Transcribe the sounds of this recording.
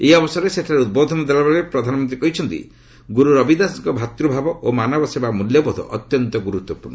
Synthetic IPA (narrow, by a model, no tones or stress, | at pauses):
ejɔbɔsɔɾeseʈʰaɾeud̪̚bod̪ʱɔnɔd̪elabeɭepɾɔd̪ʱanɔmɔnt̪ɾikɔɦit͡ʃʰɔnt̪ḭ | ɡuɾuɾɔbid̪asiŋkɔbʱat̪ɾubʱabɔʔomanɔbɔsebamuljɔbɔd̪ʱɔ̰ʔɔt̪jɔnt̪ɔɡuɾut̪wɔpuɾnɔ